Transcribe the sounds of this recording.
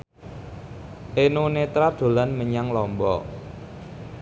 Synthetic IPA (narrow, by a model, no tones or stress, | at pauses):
ʔenunet̪ɾad̪̥o̤lanməɲaŋlɔmbɔ̰